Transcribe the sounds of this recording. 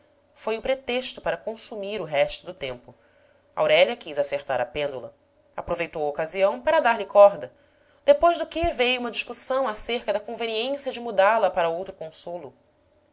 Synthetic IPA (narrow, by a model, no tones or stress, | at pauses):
fojʊpɾet̪eʃt̪ʊpaɾɐkõsumiɾʊɦɛʃt̪ʊd̪ʊt̪ẽmpʊ | a̰wɾɛliɐkizaseɾt̪aɾɐpẽnd̪ulɐ̰ | apɾovejt̪owɐokaziɐ̃w̃paɾɐd̪aɾlɪkɔɾd̪ɐ | d̪̥epojʒd̪ʊkɪvejũmɐd͡ʒiʃkusɐ̃w̃aseɾkɐd̪ɐkõveniẽsjɐd͡ʒɪmud̪alɐpaɾɐowt̪ɾʊkõsolʊ